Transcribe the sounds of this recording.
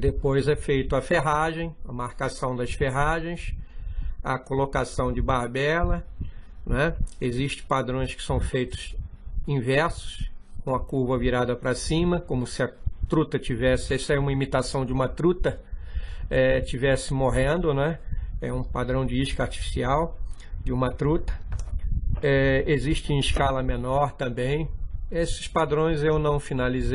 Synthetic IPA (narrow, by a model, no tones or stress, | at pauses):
d̪epojzɛfejt̪ʊɐfeɦaʒẽj̃ɐmaɾkasɐ̃w̃d̪ɐsfeɦaʒẽj̃s | ɐ̰kolokasɐ̃w̃d͡ʒɪbahbɛlɐ | nɛeziʃt͡ʃɪ̥̃pad̪ɾõj̃skɪ̥sɐ̃w̃fejt̪ʊ̥s | ĩvɛɾsʊ̥skõw̃ɐkuɾvɐviɾad̪ɐpɾɐsĩmɐkõmʊsɪɐt̪ɾut̪ɐt͡ʃivɛsɪɛsɐɛũmɐimit̪asɐ̃w̃d͡ʒɪũmɐt̪ɾut̪ɐ | ɛt͡ʃivɛsɪmoɦẽnd̪ʊnɛɛũpad̪ɾɐ̃w̃d͡ʒɪiʃkɐaɾt͡ʃi̥fi̥siaw | d͡ʒɪũmɐt̪ɾut̪ɐ̥ | ɛeziʃt͡ʃɪũɪʃkalɐmenɔɾt̪ɐ̃mbẽj̃esɪ̥spad̪ɾõj̃zewnɐ̃w̃finalize